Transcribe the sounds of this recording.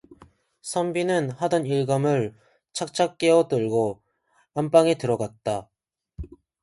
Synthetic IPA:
sʰʌmbinɯnhadʌniɭɡamɯɭ | t͡ɕʰak̚t͡ɕʰak̚k͈e̞ʌt͈ɯɭɡo | amp͈aŋetɯɾʌɡat̚t͈a

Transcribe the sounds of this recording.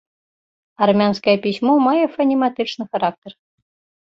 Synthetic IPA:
armʲanskəjəpʲisʲmomɑjəfɐnʲimat̪ɨt͡ʃnɨxaɾɑk̚t̪ʲer

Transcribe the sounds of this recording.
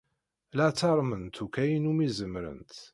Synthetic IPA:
læt͡sːɑɾˤmənt̪ʰukːæjinumizəmɾə̰nt̪

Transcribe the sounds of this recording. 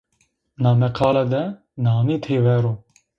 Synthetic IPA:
nɑːmɛqʰɑːlad̪ɛ | nɑːmit̪ʰeːvɛɾoː

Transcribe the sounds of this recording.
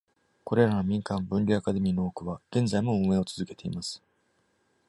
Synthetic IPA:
ko̞ɾe̞ɾano̞mʲĩŋkãmbɯ̟̃nɾʲiakad̪e̞mʲino̞ːkɯ̟βaɡ̥ẽ̞nzaimo̞mɯe̞o̞t͡sɨzɨke̞̥t̪e̞ḭmasɨ̥

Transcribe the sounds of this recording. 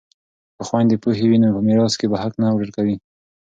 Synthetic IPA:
pəxwajnd̪epuɦewinopəmeɾɑskebaɦaknawɖəɾkawi

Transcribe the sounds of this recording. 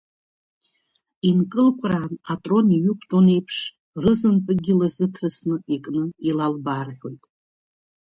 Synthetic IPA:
inkʼɨlkʷʰraːnatʼro̞niɥʏkʷʰtʼone̞jpʰʂ | rɨzɨnpʼɨɡʲɪlazɨtʰrɨsnɨikʼnɨilalbarħʷᶣo̞jtʼ

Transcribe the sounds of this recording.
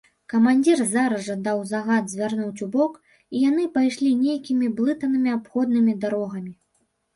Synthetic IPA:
kɐmanʲd͡zʲirzaɾɐʐɐd̪awzaɣad̪zʲvʲarnut͡sʲubɔk | ijan̪ɨpajʂlʲinʲejkʲimʲiblˠɨt̪ɐnɨmʲiapxɔd̪nɨmʲid̪aɾɔɣɐmʲi

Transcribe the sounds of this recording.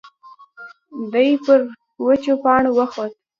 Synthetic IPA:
d̪əjpəɾ | wət͡ʃopɑɳowəxot̪̚

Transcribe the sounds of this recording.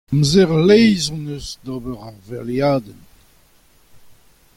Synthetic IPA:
mzeʁleɪznəsd̪ɔbəʁaʁvɛljad̪ən

